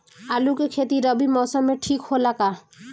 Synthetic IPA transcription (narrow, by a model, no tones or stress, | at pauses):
alukekʰet̪iɾʌbimɔːsəmːeʈʰikholaka